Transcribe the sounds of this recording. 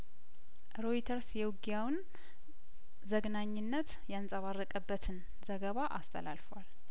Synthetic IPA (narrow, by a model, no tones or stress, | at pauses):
ɾo̞it̪ʰəɾsjɛwɡjawn | zəɡnaɲːɪnːət̪ | jansʼəβarːəkʼəbːət̪ʰɨn | zəɡəβaʔa̰st̪ʼʰə̰la̰lfəwal